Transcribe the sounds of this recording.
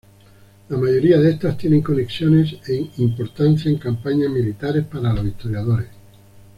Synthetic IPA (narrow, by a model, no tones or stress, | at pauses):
lamaʝo̞ɾiaðe̞st̪ast̪je̞ne̞ŋko̞ne̞ksjo̞ne̞seŋimpo̞ɾt̪an̟θjaeŋkampaɲazmilit̪aɾe̞spaɾalaβit̪o̞ɾjaðo̞ɾes